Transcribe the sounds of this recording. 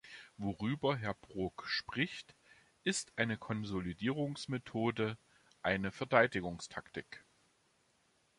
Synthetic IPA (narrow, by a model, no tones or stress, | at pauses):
voʁyːbɐɦɛɐbʁʊkʃpʁ̥ɪçt | ʔɪstʔaɪnəkʰɔnzolidiːʁʊŋsmetʰoːdə | ʔaɪnəfɛɐdaɪdɪɡʊŋstʰaktɪk